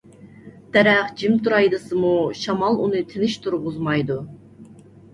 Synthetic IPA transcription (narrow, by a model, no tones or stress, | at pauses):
d̪̥ɛɾɛχd͡ʒimt̪ʰuɾɑjd̪ɨsɨmuʃɑmɑlˠunɨt̪ʰɪnɪʃt̪ʰuɾʁʊzmɑjd̪u